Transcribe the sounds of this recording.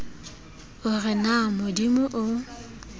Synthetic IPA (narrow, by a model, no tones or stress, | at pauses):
ʊrɪnamʊdimʊʔʊ